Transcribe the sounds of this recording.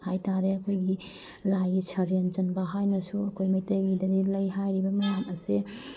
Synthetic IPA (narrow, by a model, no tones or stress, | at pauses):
hajtaɾeɐkʰojɡi | lajit͡ʃʰɐɾent͡ʃɐnbɐɦajnɐsuɐkʰojmɐjtɐjɡidɐdilɐjɦajɾibɐmɐjamɐse